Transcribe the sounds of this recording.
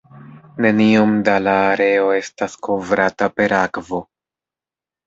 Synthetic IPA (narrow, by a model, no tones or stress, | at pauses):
ne̞nio̞mdalaːɾe̞o̞e̞stasko̞vɾatape̞ɾakvo̞